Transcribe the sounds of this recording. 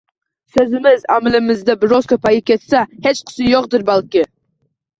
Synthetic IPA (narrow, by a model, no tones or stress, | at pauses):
sɵzɪmɪzæmɪlɪmɪzd̪ɪbɪɾoskʰɵpɑjɪkʲʰet̪sæhet͡ʃqʰʊ̥sɪjoq̚d̪ɪɾbælˠkʲɪ